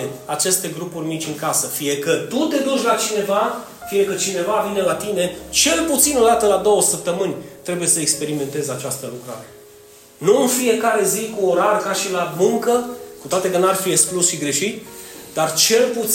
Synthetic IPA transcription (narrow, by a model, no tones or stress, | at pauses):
eat͡ʃe̞st̪e̞ɡɾupurʲnit͡ʃʲɨŋkasəfije̞kət̪ut̪e̞d̪ut͡ʃʲlat͡ʃine̞va | fije̞kət͡ʃine̞vavine̞lat̪ine̞t͡ʃe̞lput̪sino̞d̪at̪əlad̪o̞wəsəp̚t̪əmɨnʲt̪ɾe̞buje̞səekspe̞ɾime̞nt̪e̞zat͡ʃast̪əlukɾa̰ɾe̞ | nuɨnfije̞kaɾe̞zikuoɾarkaʃilamɨŋkəkut̪oat̪e̞kənuarfieksklusʃiɡɾe̞ʃit̪ʲd̪art͡ʃe̞lput̪